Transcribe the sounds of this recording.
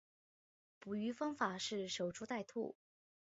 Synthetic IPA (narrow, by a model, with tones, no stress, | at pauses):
pu˨˩y˧˥fɑ˥ŋfa˨˩ʂɻ̩˥˩ʂo˨˩ʊʈ͡ʂʰu˥t̪a˥˧ɪt̪ʰṵ˥˩